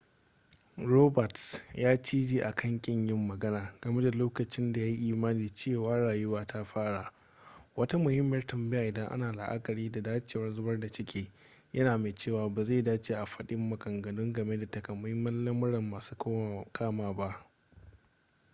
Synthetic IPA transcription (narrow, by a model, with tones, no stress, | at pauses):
ɾoː˦bɐ˨tsjaː˦t͡ʃiː˦d͡ʒiː˨ʔa˨kʰɐ˦˨ŋkʲʼɪ˦ɲjɪ˦mːɐ˨ɡɐ˦naː˨ɡ̥ɐ˨me˦da˨loː˦kɐ˨t͡ʃɪ˦nda˨ja˦ji˦ʔiː˦˨maː˦niː˨t͡ʃeː˦˨waː˦ɽaː˨jʊ˦waː˦tʰa˦ɸaː˦ɽa˨ | wɐ˦ta˦mʊ˨hɪ˦mːɐ˨rtɐ˨mbɪ˦ja˨ʔɪ˨dɐ˦ŋʔa̰˦naː˨la̰˨ʔa̰˦kʼɐ˨ɾiː˦da˨daː˦t͡ʃeː˨wɐ˦n˦zʊ˦bɐ˦rda˨t͡ʃɪ˦kʲeː˨ | jʔɐ˦naː˨ma˨t͡ʃeː˦˨waː˨baː˨za˦˨daː˦t͡ʃeː˨ʔa˨ɸɐ˦ɗɪ˦mːɐ˨kʼɐ˨ŋɡɐ˨nʊ˦ŋɡɐ˨me˦da˨tɐ˨kɐ˨mʊ˦ɪ˦mːɐ˦nlɐ˦mʊ˦ɽɐ˨mːaː˨suː˦kʰaː˦maː˨ba˦ʔ